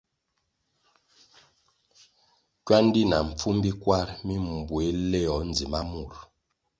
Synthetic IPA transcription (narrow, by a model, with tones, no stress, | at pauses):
kɥa˦n˦di˦na˨ɱ̩˨p͡fu˦mbi˦kwa˦ɾmi˦m˨bwe˨˦lɛ˦˨ɔ˨˦n˨d͡zi˨ma˦mu˦˨ɾ